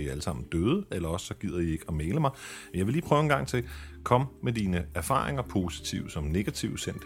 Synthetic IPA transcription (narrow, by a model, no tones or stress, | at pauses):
iæləsɑ̈m̰n̩d̥øːð̞ˠəelɐɒ̽sə̥sɒ̽ɡ̥ið̰ˠɐjie̝ɡ̥əɒmeːləmɑ̈ɪenjɑɪʋe̝liːpʰʁœʊenɡ̥ɑ̈ŋ̰t͡sʰe̝lkʰɒ̽mmed̥iːnəæɐfɑ̰̈ːʁeŋɐpʰo̝ːsi̥t͡sʰiʊsɒ̽mne̝ɡ̥æt͡sʰiʊsen̰d̥